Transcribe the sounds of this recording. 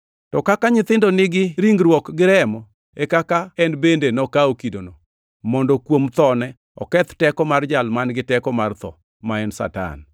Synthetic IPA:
tɔkakaɲɪt̪ɪndɔnɪɡɪɾiŋɡɾwɔkɡɪɾɛmɔ | ekakaɛnbendenɔkaokidono | mɔndɔkwomt̪ɔnɛ | ɔ̰kɛt̪tɛkɔmard͡ʒalmanɡɪtɛkɔmart̪ɔ̰ | maɛnsa̰ta̰n

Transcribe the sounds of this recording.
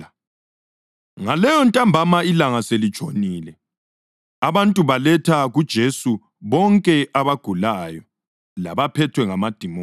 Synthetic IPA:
ŋalɛjɔntʼambʱamailaŋaselit͡ʃʼʰo̰niːlɛ | aβantʼuβalɛtʰaɣud̥ʒ̥ʱesu | βɔŋkʼɛʔaβaɡ̥ʱulajɔ | la̰βapʰɛtʰwɛŋamad̥ʱimo

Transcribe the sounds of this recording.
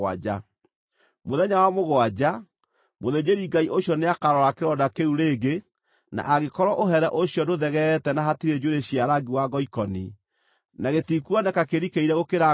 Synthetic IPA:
a̰d͡ʒa | moðɛɲawamoɣwad͡ʑa | moðeɲeɾiŋɡaiʔoɕjɔneakaɾɔɾakeɾɔdakeuɾeːɡe | na̰ʔaɣekɔɾɔʔoɦɛɾɛʔoɕjɔdoðɛɣɛtɛnaɦatiɾed͡ʑoɾeɕiaɾaɡiwaɡɔikɔni | naɣetikuɔnɛkakeɾikeiɾɛɣokeɾa

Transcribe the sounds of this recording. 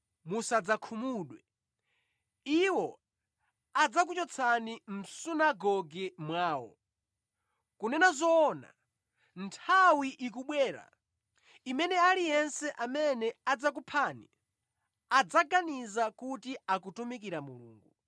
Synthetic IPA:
musad͡zakʰumuɗwɛ | iwɔ | ad͡zak̬ut͡ʃɔt͡sʰanim̩sunaɡɔɡɛmwaːwɔ̰ | kunɛnazɔːna̰ | ntʰawiʔik̬uɓwɛːɾa̰ | imɛnɛalijɛnsɛʔamɛnɛad͡zak̬upʰaːni | ad͡zaɡanizakutiakutumikiɾamulṵːŋɡu

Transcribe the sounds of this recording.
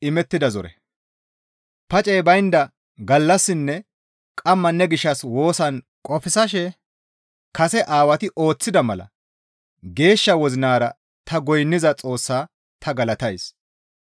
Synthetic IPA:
ɪmɛt̪ːɪd̪ɐzɔɾɛ̰ | pɐt͡ʃʼɛjbɐjnd̪ɐ | ɡɐlːɐsːɪnːɛ | kʼɐmːɐnːɛɡɪʃːɐswo̞ːsɐn | kʼɔfɪsɐʃɛ | kɐsɛʔaːwɐt̪ɪʔo̞ːt͡sːɪd̪ɐmɐlɐ̰ | ɡe̞ːʃːɐwɔzɪnaːɾɐ | t̪ɐɡɔjnːɪzɐt͡sʼo̞ːsːaː | t̪ʰɐɡɐlɐt̪ɐjs

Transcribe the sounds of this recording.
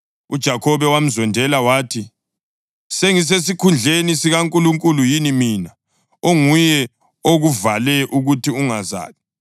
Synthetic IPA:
ṵd̥ʒ̥ʱakʰɔβɛwam̩zɔndʱɛlawaːtʰi | seŋis̬esikʰund͡ɮʱenisiɣaŋkʼuluŋkʼulujinimina | oŋujɛ | oɣuvalɛʔuɣutʰiuŋaza̰ːli

